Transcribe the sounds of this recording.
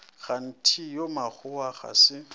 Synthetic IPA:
ɣan̩tʰijomaχʊaχa̰sɪ

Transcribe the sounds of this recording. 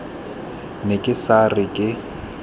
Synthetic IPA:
nɪkʼɪsarɪkʼɪ

